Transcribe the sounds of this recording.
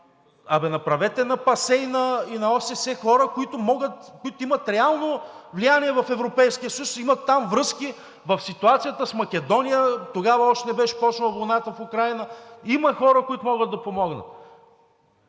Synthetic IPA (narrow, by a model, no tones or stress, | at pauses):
ɐvɛnɐpɾɐvɛt̪ɛnɐpɐsɛinɐinɐɔsɛsɛxɔɾəkoit̪ʊmɔɡət̪koit̪ʊimɐt̪ɾɛalˠnovlijaniɛvɐfɛvɾopɛjskijəsɐjusimɐt̪ːamvɾɤski | vɐfsit̪uat̪sijət̪əsmɐk̟ʲɛd̪ɔnijət̪oɡavəɔʃt̪ɛnɛbɛʃɛ̥pɔt͡ʃnɐlˠɐvojnat̪əfʊkɾajnəimɐxɔɾəkoit̪ʊmɔɡəd̪d̪ɐpomɔɡnə̰t̪